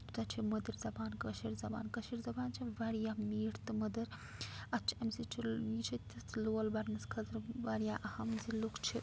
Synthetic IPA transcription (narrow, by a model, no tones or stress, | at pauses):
t̪ɐt͡ʃʰimɐd̪ɐɾzɐbaːnkɐʃiɾzɐba̰ːnkɐʃiɾzɐbaːnt͡ʃʰiʋɐɾjaːmiːʈt̪ɨmɐd̪ɐɾ | ɐt͡ʃʰɐmsit͡ʃʰiit͡ʃʰit̪ʲit̪loːlbɐɾnɐskʰɐzɾʋɐɾjaːʔɐhɐmzilukʰt͡ʃʰi